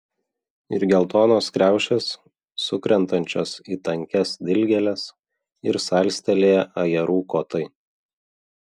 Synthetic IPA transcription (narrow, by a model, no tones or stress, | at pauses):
ɪɾɡʲɛlˠt̪oːnoːskɾʲæˑʊʃʲɛsː | ʊkɾʲɛnt̪ɐnʲt͡ʃʲoːsiːt̪ɐŋʲkʲɛsd̪ʲɪlʲɡʲɛlʲɛs | ɪɾsɑˑlʲsʲt̪ʲɛlʲeːjɛʔɐjɛɾuːkoːt̪ɐɪ